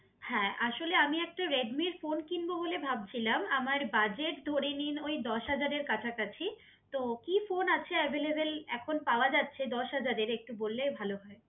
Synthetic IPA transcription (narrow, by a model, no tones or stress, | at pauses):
hɛ̃ːʔaʃoleamiɛk̚ʈaɾeɖmiɾfonkinboɦolebʱab̚t͡ɕʰilamamaɾbad͡ʑeʈd̪ʱoɾeninojd̪ɔʃɦad͡ʑaɾeɾkat͡ɕʰakat͡ɕʰi | t̪okifonat͡ɕʰeɛbʱelebelɛkʰonpaoad͡ʑatːɕʰed̪ɔʃɦad͡ʑaɾeɾek̚ʈubolːebʱaloɦɔe